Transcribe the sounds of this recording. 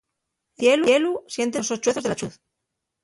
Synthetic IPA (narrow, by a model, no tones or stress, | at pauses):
θje̞luelusje̞nt̪̬esost͡ʃwe̞θo̞zðelat͡ʃuθ